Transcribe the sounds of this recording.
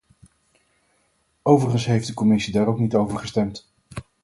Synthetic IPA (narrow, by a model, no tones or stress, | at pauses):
owvəɹχənsɦejfdəkɔmɪsidaːɾowknitowvəɹχəstɛmt